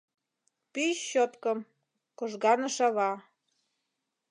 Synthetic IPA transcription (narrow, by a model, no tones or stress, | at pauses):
piɕːot̪kɤm | koʒɣɑnə̆ʃɑβɑ